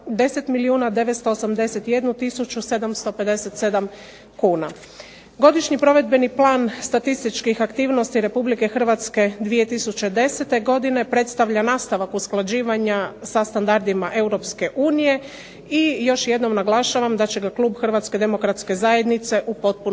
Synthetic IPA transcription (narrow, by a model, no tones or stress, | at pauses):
d̪e̞set̪miliuːnad̪e̞ʋet̪st̪o̞ːsamd̪e̞se̞t̪je̞d̪nut̪isut͡ɕuse̞d̪amst̪o̞pe̞d̪e̞set̪se̞d̪am | kuːna̰ | ɡo̞d̪iʃɲipɾo̞ʋe̞d̪be̞niplˠaːnst̪at̪ist̪it͡ʃkixakt̪iːʋno̞st̪iɾe̞publike̞xr̩ʋat̪ske̞d̪ʋije̞t̪isut͡ɕe̞d̪e̞set̪e̞ɡo̞d̪ine̞pɾe̞t̪st̪aʋʎanaːst̪aʋakusklˠad͡ʑiːʋaɲasast̪and̪aɾd̪imaʔe̞uɾo̞pske̞ʔuːnije̞ | ijo̞ʃje̞d̪no̞mnaɡlˠaʃaʋamd̪at͡ɕe̞ɡaklˠuːbxr̩ʋat̪ske̞d̪e̞mo̞kɾat̪ske̞zaje̞d̪nit̪se̞ʔupo̞t̪̚pun